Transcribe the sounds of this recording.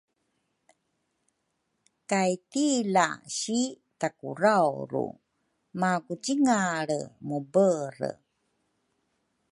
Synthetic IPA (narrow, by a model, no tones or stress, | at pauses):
kajtilaɕi | takṵɾawɾṵ | makut͡ɕiŋaɭə̰mubərə̰